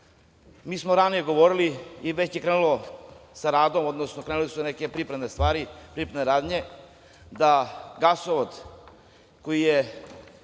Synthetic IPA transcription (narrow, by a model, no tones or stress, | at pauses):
miːsmoɾanije̞ɡo̞ʋoɾiliiʋet͡ɕjekɾenulosaɾaːd̪o̞mod̪nosnokɾenulisuneke̞pɾipɾenest̪ʋaːɾipɾipɾed̪neɾaːd̪ɲe | d̪aɡasoʋod̪ | kojije